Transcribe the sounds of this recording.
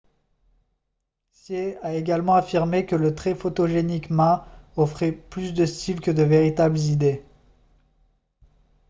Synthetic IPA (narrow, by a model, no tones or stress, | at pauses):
sjeaeɡʲalmɑ̃afiʁmekələt̪χɛfot̪oʒenikmɛ̃ɔfχɛplysd̪əst̪ilkəd̪əveʁit̪ablzid̪e